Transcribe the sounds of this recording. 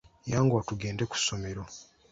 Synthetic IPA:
jaːŋɡoatuɡe̞ːndeku̥so̞meɾo

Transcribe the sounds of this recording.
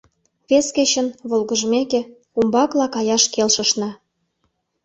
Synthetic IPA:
βesket͡ɕə̆nβolɣə̆ʒmekĕ | umbɑklɑkɑjɑʃkelʃə̆ʃnɑ

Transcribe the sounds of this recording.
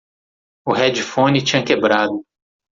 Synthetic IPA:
ʊɦɛd͡ʒɪfõnɪt͡ʃĩɲɐkebɾad̪ʊ

